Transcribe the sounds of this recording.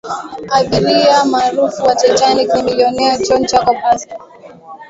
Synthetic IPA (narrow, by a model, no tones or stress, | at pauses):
aɓiɾiamaːɾufuwatɛt͡ʃanikinilɔnɛat͡ʃɔnt͡ʃakɔpasta